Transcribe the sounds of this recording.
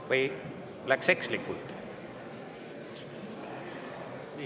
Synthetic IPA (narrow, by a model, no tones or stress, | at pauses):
vɤj | lækse̞kslikːult̪